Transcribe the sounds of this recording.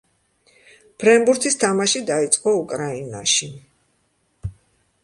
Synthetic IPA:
b̥ʰɾɛmbuɾt̪ʰist̪ʰamaʃid̪ait̪sʼqʼɔukʼɾaina̰ʃi

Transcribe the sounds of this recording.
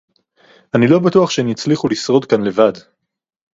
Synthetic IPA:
anilo̞batuaχʃemjit͡sliχulisʁo̞dkanle̞vad

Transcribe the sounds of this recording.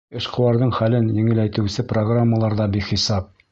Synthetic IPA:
ɘ̆ʃqŏwɑɾðɤɴχælɘnjɘ̆ŋɘ̆læjt̪ɘ̆wsɘproɡramːəlˠɑɾðɑbiχisɑp̚

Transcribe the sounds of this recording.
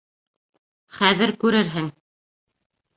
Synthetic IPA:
χæðɘɾkʉɾɘɾɦɘŋ

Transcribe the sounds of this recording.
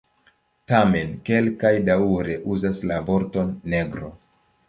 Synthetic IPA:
tame̞nke̞lkajdauɾe̞ʔuzaslavo̞ɾto̞nːe̞ɡɾo̞̰

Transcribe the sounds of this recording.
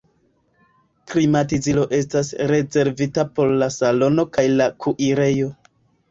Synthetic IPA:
klimatizilo̞ʔe̞s̬tasɾe̞ze̞ɾvitapo̞ɾlasalo̞no̞kajlakʰuʔiɾe̞jo̞

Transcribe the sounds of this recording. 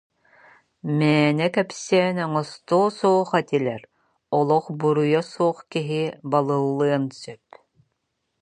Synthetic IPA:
mɛːnɛkɛpsɛːnɔŋɔst̪oːsuːχɛt̪ilʲɛɾ | ɔlˠɔχbuɾujɔsuɔχkiɦibalˠɯlˠːɯɐnsœp̚

